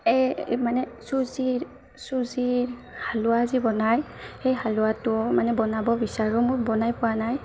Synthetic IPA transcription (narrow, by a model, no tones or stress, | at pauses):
ɛmanɛsuziɹ | suziɹ | halʊaːzibɔnaj | xejɦalʊwatʊmanɛbɔnabɔbisaɹɔmʊɹbɔnajpʊwanaj